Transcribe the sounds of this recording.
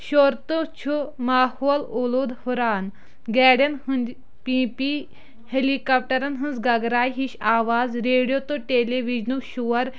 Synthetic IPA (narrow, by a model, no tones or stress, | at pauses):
ʃoɾt̪ot͡ʃʰumaːhoːloloːd̪huɾaːn | ɡɛːɽɐnhɨnd͡ʒ | pipi | helikaːp̚ʈɐɾɐnɦɨnzɡɐɡɾaːjɦiɕaːʋaːzɾeːɽijot̪oʈeleʋid͡ʒnuʃuʋɐɾ